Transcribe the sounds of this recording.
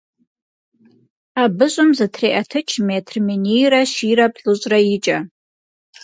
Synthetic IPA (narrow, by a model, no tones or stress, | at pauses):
abɨɕʷʼʊmzatʰreʔatʰɨt͡ʃʰmetʰrminijɾaʃiɾapʰʼɬʼuʒʷʼrait͡ʃʼa